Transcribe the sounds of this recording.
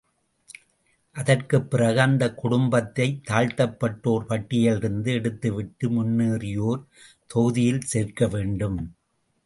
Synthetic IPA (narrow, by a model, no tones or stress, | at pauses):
ʔɐðɐrkɯpːɪɾɐɣaːnd̪ɐkʊɽʊmbɐt̪ːɐɪt̪ːaːɻt̪ɐpːɐʈːoːɾpɐʈːɪjɐlɪɾɯnd̪ɯɛɽɯt̪ːɯʋɪʈːɯmʊnːɯːɾɪjoːɾ | t̪ɔɣɯðɪjɪlseːɾkɐʋeːɳɖɯm